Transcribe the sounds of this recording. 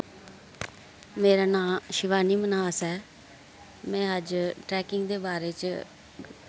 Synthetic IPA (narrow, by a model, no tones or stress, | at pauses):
meːɾaːnãːʃɪʋaːniːmənaːsɛː | mɛ̃ːəd͡ʒʈɾɛːkɪŋɡd̪eːbaːɾeːt͡ʃ